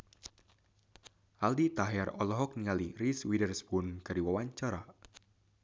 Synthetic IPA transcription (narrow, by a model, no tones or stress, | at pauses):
ʔaldit̪aɦɛrɔlɔɦɔk̚niŋaliriswidərsbunkaɾiwawaɲt͡ʃaɾa